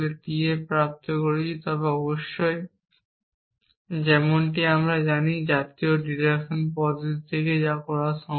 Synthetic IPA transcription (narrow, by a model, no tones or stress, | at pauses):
let̪iepɾap̚t̪okoɾet͡ɕʰit̪ɔbeɔboʃːoe | d͡ʑɛmonʈiamɾad͡ʑanid͡ʑat̪ioɖiɾekʃonpɔd͡ʑit̪ʰeked͡ʑakɔɾaʃɔ